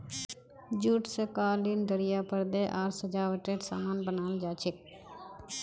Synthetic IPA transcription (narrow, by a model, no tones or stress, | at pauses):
d͡ʒuːʈsekaːlinɖəɾɪjaːpəɾd̪eːʔaːɾsəd͡ʒaːʋəʈɾeːʈsa̰ːmaːnbənaːld͡ʒaːt͡ʃʰɪk̚